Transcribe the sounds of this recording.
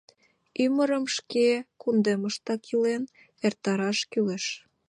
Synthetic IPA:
yməɾəmʃkekund̪eməʃt̪ɑkʰilen | ert̪ɑɾɑʃkyleʃ

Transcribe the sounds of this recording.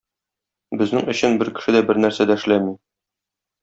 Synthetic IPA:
bɘ̆znɘŋɵ̆ɕɘnbɘɾkɘ̥̆ʃɘd̪æbɘɾnæɾsæd̪æɘ̆ʃlæmi

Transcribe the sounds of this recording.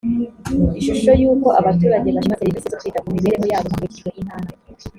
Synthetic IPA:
iʃuʃo̞juːko̞ʔaβatuːɾaɟeβaɾimazeɾibisezokiːtamumiβeɾeɦo̞jaːβomakeciʒɡweʔinaːna

